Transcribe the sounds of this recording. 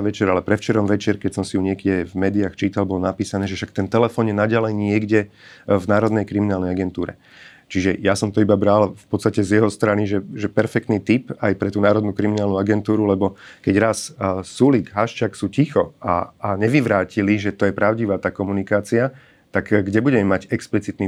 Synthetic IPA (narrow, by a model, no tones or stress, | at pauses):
ʋɛt͡ʃɛɾalɛpɾɛft͡ʃɛɾɔmʋɛt͡ʃɛɾkɛcsɔmsijuɲɪɛɡɟɛvmɛːd̪ijaːxt͡ʃiːt̪albɔlɔnapiːsanɛːʒɛʃak̚t̪ɛnt̪ɛlɛfɔːnjɛnaɟalɛjɲɪɛɡɟɛvnaːɾɔd̪nɛjkɾiminaːlnɛjaɡɛnt̪uːɾɛ̰ | t͡ʃiʒɛjasɔmt̪ɔibabɾalfpɔt̪st̪acɛzjɛɦɔst̪ɾaniʒɛʒɛpɛɾfɛk̚t̪niːt̪ipajpɾɛt̪uːnaːɾɔd̪nukɾiminaːlnuaɡɛnt̪uːɾulɛbɔkɛɟɾassuliɡɦaʃt͡ʃaksuːcixɔa̰ːɲɛʋiʋɾaːciliʒɛt̪ɔjɛpɾaʊɟiʋaːt̪aːkɔmunikaːt͡sia | t̪aɡɡɟɛbuɟɛmɛmaɟɛksplit͡sit̪ni